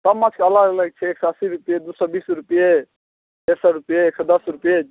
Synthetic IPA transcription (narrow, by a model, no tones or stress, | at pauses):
t̪ɐmːat͡ʃʰkeɐlaɡləɡ̚t͡ʃʰɛeːksɔsiɾupjed̪usɔbiːsɾupije | esɔɾupjeeksɔd̪əsɾupje